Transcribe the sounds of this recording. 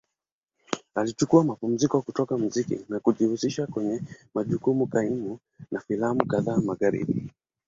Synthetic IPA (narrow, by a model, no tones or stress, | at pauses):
alit͡ʃukuamapum̩zikɔkutɔkam̩zikḭnakuʄihusiʃakwɛɲɛmaʄukumukaimu | nafilamukaðaːmaɣaɾḭɓi